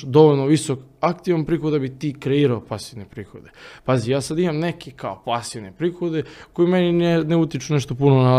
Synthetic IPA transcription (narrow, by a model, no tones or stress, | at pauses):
d̪o̞ʋoʎnoʋisokakt̪iʋanpɾiːxod̪d̪abit̪iːkɾeiːɾaopasiʋne̞pɾiːxo̞d̪e̞pazijaːsad̪imamne̞kekaopasiʋnepɾiːxo̞d̪e̞kojimeninneut̪it͡ʃuneʃt̪o̞punona